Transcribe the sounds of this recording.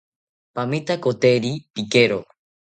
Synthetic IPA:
pamit̪akot̪eɾipikeɾo

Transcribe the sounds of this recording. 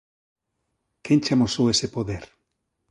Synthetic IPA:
kent͡ʃamosowesepoðeɾ

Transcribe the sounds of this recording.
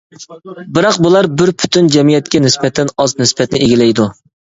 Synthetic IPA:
bɪɾɑqbulˠɑɾbɪɾpʰy̥t̪ʰynd͡ʒɛmijɛt̪̚kʲɛnɪsbɛt̪ʰɛnɑznɪsbɛt̪nɪeɡʲilɛjd̪u

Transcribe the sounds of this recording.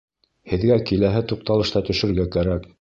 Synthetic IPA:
hɘ̆ðɡækilæɦɘt̪uq̚t̪ɑlˠɤ̆ʃt̪ɑt̪ɵ̆ʃɘ̆ɾɡækæɾæk

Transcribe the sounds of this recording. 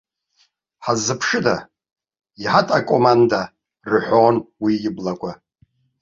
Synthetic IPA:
ħazːɨpʰʂɨda | iħatʼakʷʼo̞manda | rɨħʷonwiɪblakʷʰʼa

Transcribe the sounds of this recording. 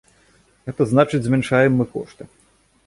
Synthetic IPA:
ɣɛt̪ɐznat͡ʂɨd͡zʲzʲmʲɛnʂajɛmːɨkɔʂt̪ɨ

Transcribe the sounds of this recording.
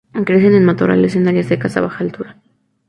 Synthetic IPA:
kɾesenenmat̪oɾa̰lesenaɾjazðekasa̰βaxaːlt̪uɾa

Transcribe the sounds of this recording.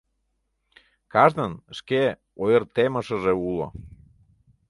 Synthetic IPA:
kɑʒnənʃke | ojərt̪eməʃəʒeulo̰

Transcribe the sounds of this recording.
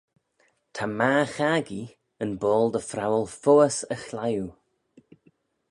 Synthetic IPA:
t̪ʰamaːxaɡi | ənbɔːlˠd̪əfɾawəlˠfoːəsəxlaju

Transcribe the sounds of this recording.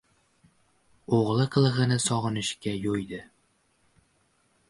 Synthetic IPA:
oʁlˠɨqʰɨlˠɨʁɨnɪsɒʁɨnɪʃkʲajojd̪ɪ

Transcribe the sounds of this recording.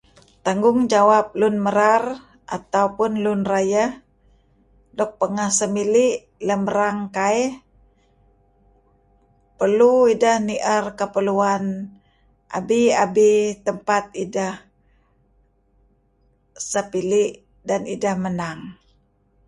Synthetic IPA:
t̪aŋɡʊŋd͡ʒawap̚lunməɾar | ʔa̰t̪aupʊnlunrajah | dɔk̚pəŋahsəmiliʔ | ləməɾaŋkaɛh | pərluidahniʔərkəpəluan | ʔa̰biabit̪əmpat̪̚idah | səpiliʔ | danidahmənaŋ

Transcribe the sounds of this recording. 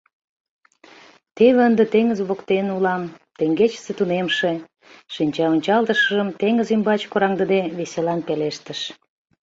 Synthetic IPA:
t̪eβeənd̪et̪eŋəzβokt̪enulɑmt̪eŋɡet͡ɕə̥set̪unemʃe | ʃinʲt͡ɕɑonʲt͡ɕɑlˠt̪əʃəʒəmt̪eŋəzymbɑt͡ɕkoɾɑŋd̪əd̪eβeselɑnpeleʃt̪əʃ

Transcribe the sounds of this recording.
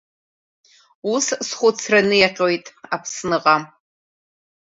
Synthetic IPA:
ussχʷʊt͡sʰranɨjaqʲʼojtʼapʰsnɨqʼam

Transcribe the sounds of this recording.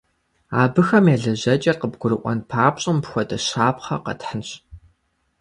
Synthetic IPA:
aːbɨxɐmjɛːɮɐʑɐt͡ʃʼɐrqəbɡʷʊɾɨʔʷɔ̰npʰaːpʼɕʼɪmpxʷɔdɐɕaːpχɐ̰qɐ̰tħənɕ

